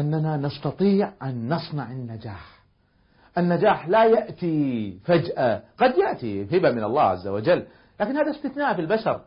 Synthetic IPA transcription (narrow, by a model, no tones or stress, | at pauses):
ʔanːananɑst̪ɑt̪ˤiːʕʔanːɑsˤnɑʕanːad͡ʒaːħ | ʔanːad͡ʒaːħlajaʔt̪ifad͡ʒʔaɡ̥ɑd̪jaʔt̪iɦɪbamɪnɑ̰lˤːɑ̰ːʕa̰zːa̰wad͡ʒalː | laːkɪnhaːðast̪ɪθnaːʔfilbaʃɑɾˤ